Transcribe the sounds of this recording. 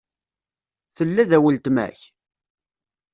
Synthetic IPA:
θəlːæðæwəlt̪mæ̰ç

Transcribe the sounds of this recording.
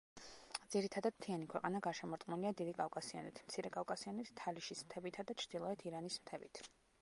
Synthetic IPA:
d̪z̥iɾit̪ʰad̪ad̪̥̚t̪ʰianikʰwɛqʼanaɡaɾʃɛmɔɾt̪ʼqʼmuliad̪id̪ikʼavkʼasia̰nḭt̪ʰm̥t̪sʰiɾɛkʼafkʼasianɛt̪ʰt̪ʰaliʃismt̪ʰɛbit̪ʰad̪at͡ʃʰɾd̪̥ilˠɔɛt̪ʰiɾanismt̪ʰɛbit̪ʰ

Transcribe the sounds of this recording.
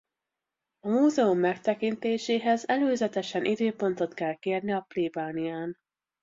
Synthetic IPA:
ɒmuːzɛumːɛkt̪ɛkint̪eːʃeːɦɛzɛløːzɛt̪ɛʃɛnʔid̪øːpo̞n̪t̪o̞t̪kɛlkeːrniɒpleːbaːnijaːn

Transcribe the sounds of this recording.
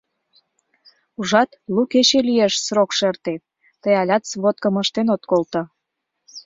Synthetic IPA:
uʒɑt̪luket͡ɕelieʃsrokʃert̪e | t̪əjɑlʲɑt̪sβot̪̚kəməʃt̪enot̪kolt̪ə

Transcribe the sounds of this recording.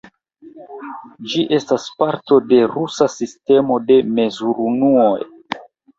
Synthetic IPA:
d͡ʒiʔe̞staspaɾto̞de̞ɾusasiste̞mo̞de̞me̞zuɾunuoj

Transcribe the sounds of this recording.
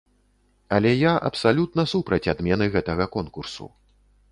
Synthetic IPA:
ɐlʲɛjaʔɐ̰psalʲut̪nɐsupɾɐt͡sʲad̪mʲɛnɨɣɛt̪ɐɣɐkɔnkursṵ

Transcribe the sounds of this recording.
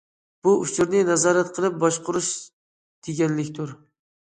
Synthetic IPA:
b̥uʔʊt͡ʃʰʊɾnɪnɛzɑːɾat̪qʰəlˠɨp̚bɒʃqʰʊɾʊʃ | d̪̥ɪɡʲɛnlɪkʲt̪ʰʊɾ

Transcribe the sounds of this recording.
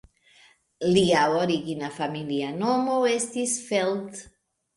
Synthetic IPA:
liawoɾiɣinafamilianomowest̪isfelt̪

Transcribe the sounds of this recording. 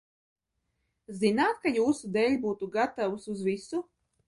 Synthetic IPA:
zinaːt̪̚kajuːsud̪ɛːlʲbuːt̪uɡat̪awusuzvisu

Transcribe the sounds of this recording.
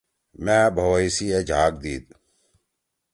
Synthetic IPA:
mɛ̃ːbʱɐwəisiːed͡ʒʱaːk̚d̪iːd̪̚

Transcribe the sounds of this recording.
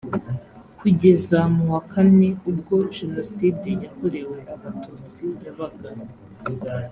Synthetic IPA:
kuɟe̞zamuwakʰane̞ubɡo̞ʒeno̞sidejako̞ɾe̞we̞uβatuːt͡sijaβaɡa

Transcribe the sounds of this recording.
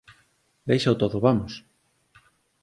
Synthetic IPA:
d̪ejʃaot̪oðoβamos

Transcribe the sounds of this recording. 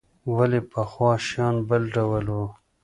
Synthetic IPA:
walepaxwɑːʃjɑːnbəlɖawəlo

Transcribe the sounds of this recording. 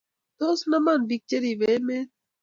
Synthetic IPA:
t̪oːsnɐmanbik̚t͡ʃɐɾiʋeːmeːt̚

